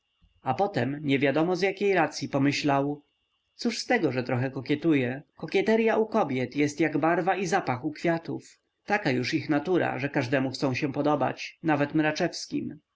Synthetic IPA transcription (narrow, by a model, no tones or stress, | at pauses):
apɔt̪ɛmɲɛvʲjad̪ɔmɔzjakʲejɾat̪sʲjipɔmɘɕlaw | t̪suʂst̪ɛɡɔʐɛt̪ɾɔxɛkɔkʲjɛt̪ujɛkɔkʲɛt̪ɛɾjaʔukɔbʲjɛt̪jɛst̪jaɡbaɾvaizapaxukfʲjat̪ṵf | t̪akajuʂixnat̪uɾa̰ʐɛkaʐd̪ɛmuxt̪sɔ̃w̃ɕɛ̃pɔd̪ɔba̰t͡ɕnavɛt̪mɾat͡ʂɛfskʲḭm